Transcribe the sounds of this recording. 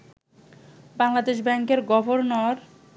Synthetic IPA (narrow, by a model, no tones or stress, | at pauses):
baŋlad̪eʃ̬bɛŋkeɾɡɔbʱoɾnɔɾ